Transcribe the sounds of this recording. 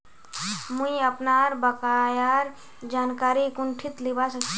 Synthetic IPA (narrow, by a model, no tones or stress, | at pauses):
muiəpnaɾbəkajaɾ | d͡ʒankaɾikuɳʈʰit̪libasəkt͡ʃʰ